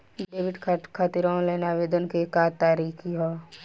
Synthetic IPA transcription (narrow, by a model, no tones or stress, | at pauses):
ɖɖeːʋɪɖkʰkʰat̪ɪɾãːõleːnaʋeːd̪ənkekaːt̪ːaːɾiːkʰiɦo